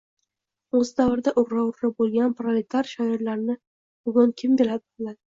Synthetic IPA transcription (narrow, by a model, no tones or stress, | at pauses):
ɵzd̪avɾɪd̪aʔʊɾːɒwɾɾɪbolˠɡʲanpɾalʲe̞t̪ʰaɾʃajɔɾlaɾnɪ | b̥ʊɡʲʊŋkʲʰɪmbe̞ɾad̪ɪlad̪ɪ